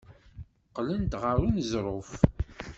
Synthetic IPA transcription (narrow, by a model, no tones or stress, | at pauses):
qlənt̪ʁəɾinzɾˤof